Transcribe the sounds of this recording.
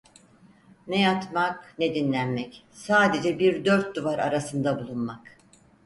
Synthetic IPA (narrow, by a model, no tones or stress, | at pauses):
nɛjat̪maknɛd̪inlʲænmɛc | saːd̪e̞d͡ʒɛbiɾd̪øɾt̪̚d̪uvaɾa̰ɾasɯnd̪abulˠunmak